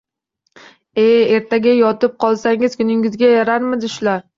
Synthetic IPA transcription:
e̞e̞ɾt̪ʰaɡʲajɒt̪ɪp̚qʰɒlˠsaŋɪz̥kʰʊnɪŋɪzɡʲajaɾaɾmɪd̪ɪʃʊlaɾ

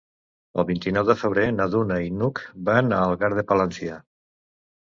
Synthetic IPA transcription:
ə̰lˠβint̪inɔwðəfəβ̞ɾenaðunainukbanaːlˠɣaɾðəpalənsia

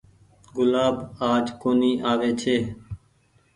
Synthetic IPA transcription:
ɡʊlaːbaːd͡ʒkoːniːʔaːʋeːt͡ʃʰeː

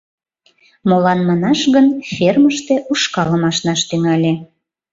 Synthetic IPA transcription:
molɑnmɑnɑʃɣənfʲerməʃt̪e̽ʔuʃkɑləmɑʃnɑʃt̪yŋɑlʲe

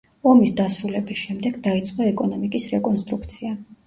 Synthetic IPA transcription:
ɔmisd̪asɾulɛbisʃɛmd̪ɛɡd̪ait̪sʼqʼɔɛkʼɔnɔmikʼisɾɛkʼɔnst̪ʼɾukʰt̪sʰia

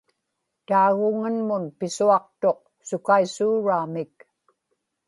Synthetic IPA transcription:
t̪aːɣʊŋanmʊnpɪsuɑq̚t̪o̞q̚ | sʊkaisuːɻaːmɪk

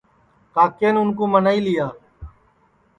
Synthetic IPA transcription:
kaːkeːnʊnkõːmənaːiːlɪjaː

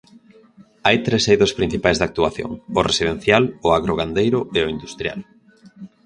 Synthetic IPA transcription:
ajt̪ɾesejðospɾin̟θipajzðak̚t̪uaθjo̰ŋʊresið̞en̟θjalʊaɣɾoɣand̪ejɾʊeʊind̪ust̪ɾja̰l

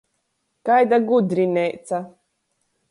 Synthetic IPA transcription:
kajd̪aɡud̪ɾinʲɛjt̪sa

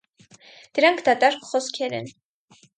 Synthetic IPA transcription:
d̪̥əɾɑŋkʰd̪ɑt̪ɑɾχɔskʰɛɾɛ̰n

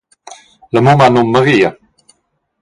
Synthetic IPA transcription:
ləmumanomːəʁiə

